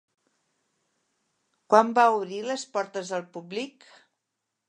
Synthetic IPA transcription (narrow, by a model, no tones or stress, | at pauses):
kwambauβɾiləspɔɾt̪əzðəlˠpublik